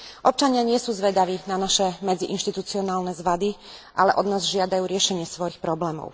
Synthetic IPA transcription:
ʔɔp̚t͡ʃaɲɪaɲɪɛsuːzʋɛd̪aʋiːnanaʃɛmɛd͡ziʔinʃt̪it̪ut͡siɔnaːlnɛzʋad̪i | ʔa̰lɛʔɔd̪naːzʒɪad̪ajuːɾɪɛʃɛɲɪɛsʋɔjixpɾɔblɛːmɔ̰ʊ

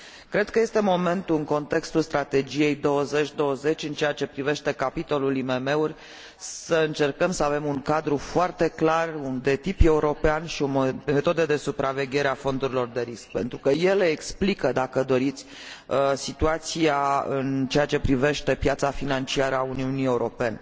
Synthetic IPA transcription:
kɾe̞d̪̚kəje̞st̪e̞mo̞me̞nt̪uɨŋko̞nt̪e̞kst̪ulst̪ɾat̪e̞d͡ʒije̞jd̪o̞wəze̞t͡ʃʲd̪o̞wəze̞t͡ʃʲɨnt͡ʃejat͡ʃe̞pɾive̞ʃt̪e̞kapit̪o̞lulime̞me̞urʲ | ssəɨnt͡ʃe̞rkəmsəave̞muŋkad̪ɾufoart̪e̞klarund̪e̞t̪ipje̞uɾo̞peanʃio̞me̞t̪o̞d̪əd̪e̞supɾʔave̞ɡʲe̞ɾeafo̞nd̪uɾilo̞rd̪e̞ɾisk̚pe̞nt̪ɾukəje̞leːksplikəd̪akəd̪o̞ɾit̪sʲ | sit̪uat̪siaɨnt͡ʃeat͡ʃe̞pɾive̞ʃt̪e̞pjat̪safinant͡ʃiaɾəauniunie̞uɾo̞̰pe̞ne

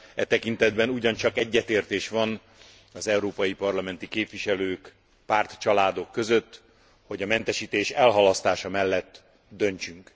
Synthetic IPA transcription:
ɛt̪ɛkint̪ɛd̪bɛnuɟɒnt͡ʃɒkɛɟːɛt̪eːrt̪eːʃʋɒn | ɒzɛuɾoːpɒjipɒrlɒmɛnt̪ikeːpʋiʃɛløːk | paːrt̪t͡ʃɒlaːd̪o̞kːøzø̞t̪ː | ho̞ɟɒmɛnt̪ɛʃiːt̪eːʃɛlɦɒlɒst̪aːʃɒmɛlːɛt̪ː | d̪ø̞nt͡ʃyŋk

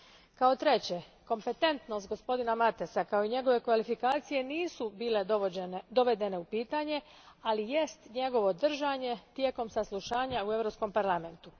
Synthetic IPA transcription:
kao̞t̪ɾe̞t͡ɕe̞ko̞mpe̞t̪e̞nt̪nost̪ɡo̞spo̞d̪inamat̪esakao̞iɲe̞ɡo̞ʋe̞kʋalifikaːt̪sije̞niːsubiːle̞d̪o̞ʋe̞d̪e̞ne̞upiːt̪aɲe̞ | alije̞st̪ɲe̞ɡo̞ʋo̞d̪r̩ʒaɲe̞t̪je̞ːko̞msaslˠuʃaːɲaue̞ʋɾo̞psko̞mpaɾlˠame̞nt̪u

